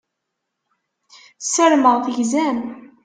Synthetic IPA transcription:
səɾməʁθəʝzæm

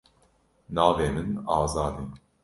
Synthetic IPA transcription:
nɑːveːmɨnɑːzɑːd̪in

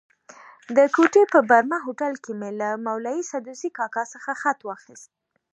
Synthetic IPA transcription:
d̪əkoʈepəbaɾmaɦoʈalkemelamawlajisad̪usikɑkɑsəxaxat̪wɑxist̪̚

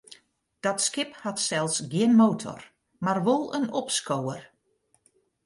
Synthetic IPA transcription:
d̥ɔtskɪphatsɛlˠsɡɪənmoːtʰɔ̰r | marʋolˠənɔpskowər

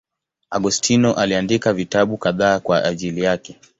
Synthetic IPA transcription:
aɠustʰinɔʔaliandikavitaɓukaðaːkwaaʄilijakɛ

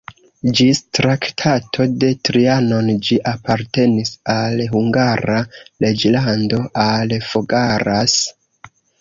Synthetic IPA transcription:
d͡ʒistɾaktʰatʰo̞de̞tɾiano̞nd͡ʒiʔapaɾte̞nisalɦuŋɡaɾale̞d͡ʒlando̞ʔalfoɡaɾas

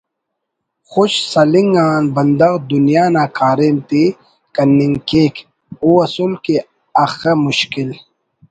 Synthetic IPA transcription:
xuɕsɐliŋɡaːnbɐnd̪ɐɣd̪unjaːnaːkaːɾemt̪i | kɐnːiŋkeːk | uɐsulke | ɐxemʊɕkil

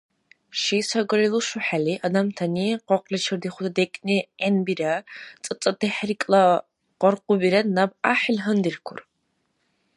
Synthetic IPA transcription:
ʃijsɐɡʷɐɾiluʃʊħaliːʔɐdɐmtʰɐniːqʷɔqʷlɐt͡ʃʰɐrdiχʷʊdɐdekʼnienbirɐt͡sʼɨt͡sʼɐdɨħrikʼlɐ | qʷɔrqʷʊbirɐnɐbaːħlɦɨndirkʷʰʊr

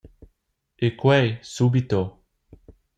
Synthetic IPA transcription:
ekwɛjsubit̪o

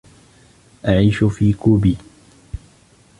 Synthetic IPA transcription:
ʔaʕiːʃʊfiːkubi

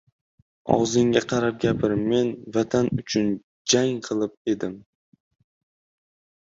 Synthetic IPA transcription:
ɒ̰wzɪŋɡʲaqʰɑɾap̚ɡʲapʰɪɾme̞nvat̪ʰanʊt͡ʃʰʊn | d͡ʒaŋqʰɨlˠɪp̚e̞d̪ɪm

